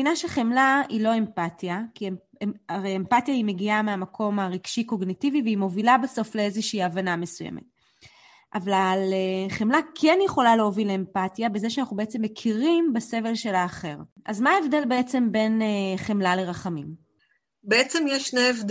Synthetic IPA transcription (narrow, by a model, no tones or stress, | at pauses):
inaʃeχemlailo̞e̞mpatjakie | eaʁeempatjaime̞ɡiameamakʰo̞maʁiɡ̥ʃiko̞ɡnitiviveimo̞vilabeso̞fle̞ezeʃiːavaname̞sujḛmʔḛt̚ | ʔavalχemlakʰe̞njeχo̞laleovilempatjabezeʃeanaχubeet͡se̞mːekʰiʁimbase̞ve̞lʃe̞laːχe̞ʁʔazmaːevd̪e̞lbe̞et͡se̞mbe̞neχe̞mlale̞ʁaχamim | beet͡semjeʃneevd